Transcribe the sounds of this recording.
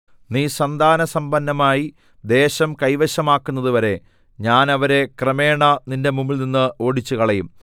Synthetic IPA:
niːsɐnd̪ʱaːnɐsɐmbɐnːɐmaːji | d̪e̞ːɕɐmkɐjʋɐɕɐmaːkːunːɐðuʋɐɾe̞ | ɲaːnɐʋɐɾe̞krɐme̞ːɳɐninde̞mumːilninːɨo̞ːɽit͡ɕːukɐɭɐjum

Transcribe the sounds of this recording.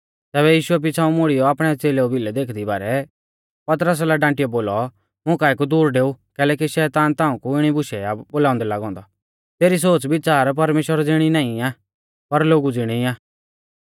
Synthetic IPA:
t̪ɛːbɛjiːʃʊɛp̬ɪt͡sʰaːũmʊɽijɔaːpɽ̃ɛt͡seːlɛobʱɪlɛd̪eːkʰd̪iba̰ːɾɛ | pɐt̪̬ɾəs̬laɖãːʈijɔboːlɔ | mʊ̃kaːɛkud̪uːɾɖeːukɛːlɛːkiʃɛːt̪aːnt̪ãːũkuɪɽ̃ibʊʃɛaboːlaːʊ̃nd̪ɛlaɡɔ̃ːnd̪ɔ | t̪eːɾis̬oːt͡sbɪt͡ʃaːɾp̬ɐɾmeːʃwəɾd͡zɪɽ̃inãːĩaː | pɐɾloːɡud͡zɪɽ̃iaː

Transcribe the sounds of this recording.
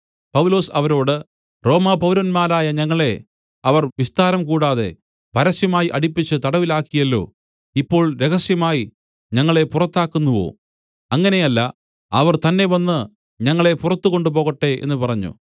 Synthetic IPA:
pɐʋwlo̞ːsɐʋɐɾo̞ːɽɨ | ro̞ːmɐpɐʋwlɐnmaːɾaːjɐɲɐŋːɐɭe̞ | ɐʋɐrʋist̪aːɾɐmkuːɽaːðe̞̰ | pɐɾɐsjɐmaːjiʔɐɽipːit͡ɕːɨt̪ɐɽɐʋilaːkːijɐlːo̞̰ː | ipːo̞ːɭɾe̞ɣɐsjɐmaːji | ɲɐŋːɐɭe̞purɐt̪ːaːkːunːuʋo̞̰ː | ɐŋːɐne̞jɐlːɐ̰ | ɐʋɐrt̪ɐnːe̞ʋɐnːɨ | ɲɐŋːɐɭe̞purɐt̪ːukoɳɖupo̞ːɣɐʈːe̞ʔe̞̰nːupɐrɐɲːṵ

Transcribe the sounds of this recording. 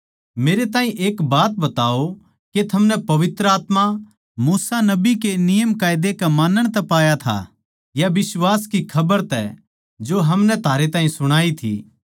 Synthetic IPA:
meːɾet̪aːɦĩʔeːkbaːt̪̚bɐt̪aːo | ket̪ʰɐmnɛpɐʋɪt̪ɾəaːt̪ma | muːsanɐbikenɪjəmkaːɪd̪ekɐmaːnəɽ̃t̪ɛpaːjat̪ʰa̰ | jabɪswaːskikʰɐbəɾt̪ɛ̰ | d͡ʒoɦɐmnɛt̪ʰaːɾet̪aːɦĩsʊɽ̃aːit̪ʰḭː

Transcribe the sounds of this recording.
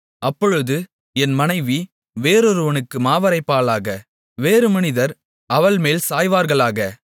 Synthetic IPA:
ʔɐpːɔɻɯðɯ | ɛnmɐnɐɪʋi | ʋeːɾɔɾɯʋɐnɯkːɯmaːʋɐɾɐɪpːaːlaːɣɐ | ʋeːɾɯmɐnɪðɐɾ | ɐʋɐɭmeːlsaːjʋaːɾɣɐɭaːɣɐ

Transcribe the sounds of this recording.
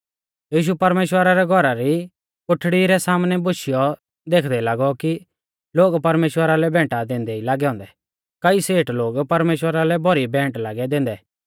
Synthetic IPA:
jiːʃ̬upɐɾmeːʃwəɾaɾɛɡʱɔɾaɾi | kʊʈʰɽiɾɛsaːmnɛbʊʃɪjɔ | d̪eːkʰd̪ɛlaːɡɔki | loːɡpɐɾmeːʃwəɾalɛbʱɛ̃ːʈad̪ẽːnd̪ɛilaːɡɛɦɔ̃ːnd̪ɛ | kɐiseːʈloːɡpɐɾmeːʃwəɾalɛbɔɾibɛ̃ːʈlaːɡɛd̪ẽːnd̪ɛ

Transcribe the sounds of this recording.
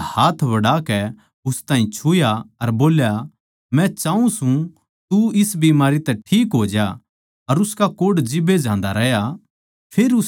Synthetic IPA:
haːt̪ʰʋɐɽaːkɛ | ʊst̪aːɦĩt͡ʃʰʊjaɐɾboːlja | mɛ̃t͡ʃaːũsũ | t̪uɪsbimaːɾit̪ɛʈʰiːkɦoːd͡ʒja | ɐɾʊskakoːɽd͡ʒɪbed͡ʒãːnd̪aɾɛja | pʰeːɾʊ

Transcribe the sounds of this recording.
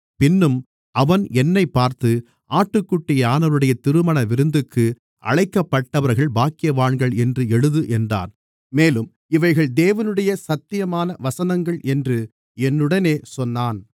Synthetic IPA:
pɪnːɯm | ɐʋɐnɛnːɐɪpːaːɾt̪ɯ | ʔaːʈːɯkːʊʈːɪjɐaːnɐʋɯɽɐjɐt̪ɪɾɯmɐnɐʋɪɾɯnd̪ɯkːɯ | ʔɐ̰ɭɐɪkːɐpːɐʈːɐʋɐɾɣɐɭbaːkɪjɐʋaːɳɡɐɭɛndrɯɛɻɯðɯʔɛndra̰ːn | meːlɯm | ɪʋɐɪɣɐɭd̪eːʋɐnɯɽɐjɐsɐt̪ːɪjɐmaːnɐʋɐsɐnɐŋɡɐɭʔɛndrɯ | ɛnːɯɽɐneːsɔnːaːn

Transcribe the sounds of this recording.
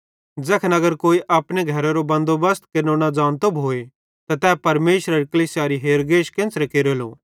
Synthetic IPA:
d͡zɛːkʰnɐɡəɾkoːiʔaːpɽeɡʱɐɾaɾobɐ̃nd̪obɐst̪kenoːɽ̃ad͡zaːnt̪obʱɦoːe | t̪at̪ɛːpɐɾmeːʃɾeɾkəliːsjaːɾiɦeːɾɡeːʃkẽːnsɾekeɾeːloː

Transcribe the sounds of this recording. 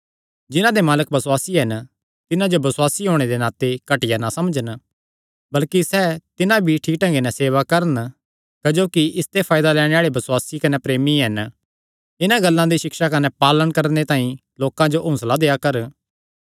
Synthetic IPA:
d͡ʒɪnãd̪emaːlək̚bɐswaːsiɦɛn | t̪ɪnãd͡ʒobɐswaːsiɦoːɽ̃ed̪enaːt̪ekɐʈɪjanasɐmd͡ʒən | bɐlkisɛːt̪ɪnãbʱiʈʰiːkʈɐ̃ŋɡenɛseːʋakɐɾən | kɐd͡ʒoːkiɪst̪epʰaːjd̪alɛːɽ̃ẽaːɭebɐswaːsikɐnepɾeːmiɦɐn | ɪnãɡɐlːãd̪iʃɪkʃakɐnɛpaːlənkɐɾnet̪aːĩ | loːkãd͡ʒoʔɦʊ̃slad̪eːakɐɾ

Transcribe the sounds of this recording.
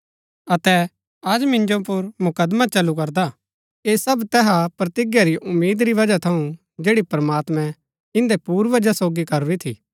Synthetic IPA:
ɐt̪ɛ | ɐd͡ʒmɪ̃nd͡ʒopʊɾmʊkəd̪mat͡ʃɐlukɐɾd̪a | eːsɐbt̪ɛːɦapɾɐt̪ɪɡjaɾiʔʊmːiːd̪ɾiʋɐd͡ʒat̪ʰɐũ | d͡ʒeːɽipɾmaːt̪mɛ̃ | ɪ̃nd̪epuːɾʋɐd͡ʒasoːɡikɐɾuɾit̪ʰḭː

